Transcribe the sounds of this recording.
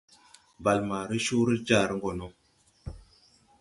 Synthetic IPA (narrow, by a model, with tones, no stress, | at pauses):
ba˨lma˨ɾi˦ʃu˦ɾi˦d͡ʒa˦˨ɾə˦ŋɡo˨no˦